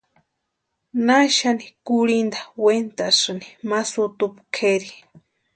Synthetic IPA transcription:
naʃanikuɽind̪ḁwent̪asɨni̥masut̪upkʰeɾi

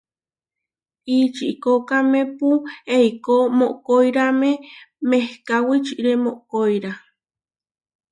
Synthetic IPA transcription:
it͡ʃiʔikokamepueikomoʔkoiɾamemehkawit͡ʃiʔɾemoʔkoiɾa

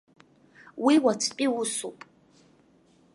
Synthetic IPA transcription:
wiwat͡sʰpʼiwʊsupʼ

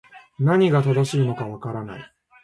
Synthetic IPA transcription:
naɲ̟iɡat̪ad̪aɕiːno̞kaβakaɾana̰i

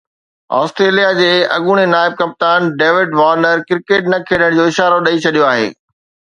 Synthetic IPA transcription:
ɔ̰ːsʈɾeːlijad͡ʑeːɐ̰ɠuːɽ̃enaːɪb̚kɐp̚t̪aːnɖeːʋɪɖʋaːɾnəɾkɪɾkeːʈnɐkʰeːɗəɽ̃d͡ʑoːɪʃaːɾoɗɐit͡ɕʰɐɗijoaːɦḛː

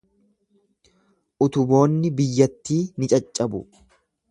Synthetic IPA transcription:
ʔʊt̪ʊbo̞ːnːɪbɪjːɐt̪ːiːnɪt͡ʃʼɐt͡ʃʼːɐbʊ̰

